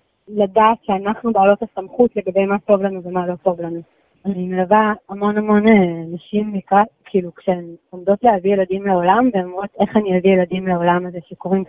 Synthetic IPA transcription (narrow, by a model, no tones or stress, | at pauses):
ladaːtʃeanaχnubeːlo̞tasamχutle̞ɡabe̞jmato̞vlanuvemalo̞to̞vlanu | azanimelavaamo̞namo̞nenaʃimːikalkʰiilukʃeemomd̪o̞tlehavieladimleo̞lamveomʁo̞t̪e̞χaniavieladimleao̞lamazeʃeko̞ʁim